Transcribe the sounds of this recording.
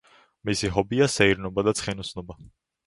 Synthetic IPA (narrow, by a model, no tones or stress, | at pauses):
misiɦɔbiasɛiɾnɔbad̪at̪sʰχɛnusnɔba